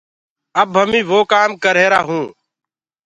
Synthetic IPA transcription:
əbɦəmĩːʋoːkaːmkəɾeːɾaːɦũː

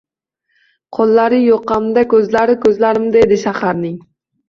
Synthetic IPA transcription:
qʰolˠːaɾɪjoqːɑmd̪akʲʰɵzlaɾɪkʲɵzlaɾɪmd̪aed̪ɪʃaχaɾnɪŋ

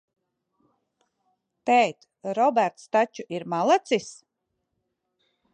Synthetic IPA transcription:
t̪ɛjt̪ | ɾɔbæɾt̪st̪at͡ʃuʔiɾmalˠat̪sis

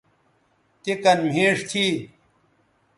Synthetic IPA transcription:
t̪ekɐnm̤ʱẽːʂt̪ʰiː

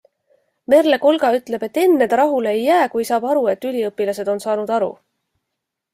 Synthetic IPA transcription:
me̞ɾle̞ko̞lɡ̥ɑyt̪ːˑle̞b̥e̞t̪ːe̞nːe̞d̪ɾɑɦuleejːæːkujsɑːb̥ɑɾue̞t̪ːylʲiɤpːˑilɑse̞d̪̥o̞nsɑːnud̪ɑɾṵ

